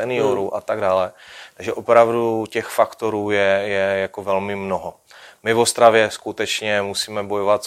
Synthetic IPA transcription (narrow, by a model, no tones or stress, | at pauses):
ɛnɪoɾuʔat̪aɡdaːlɛt̪aɡʒɛʔopɾavducɛxfakt̪oɾuːjɛjɛjakovɛlmɪmnoɦo | mɪvost̪ɾavjɛskut̪ɛt͡ʃɲɛmusiːmɛbojovat̪